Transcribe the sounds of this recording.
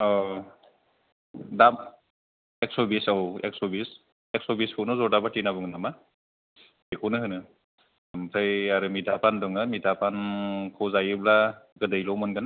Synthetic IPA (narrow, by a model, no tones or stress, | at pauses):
ɔ | dab | ek̚sɔbisawḛk̚sɔbis | ek̚sɔbiskʰɔwnɔzɔdabatinabɯŋɯnama | ekʰɔnɯɦɯnɯ | mtʰajaɾɯmidʰʱapʰandɔŋɯmidʰʱapʰankʰɔwzajɯblaɡɯdɯjlɔwmɯnɡɯna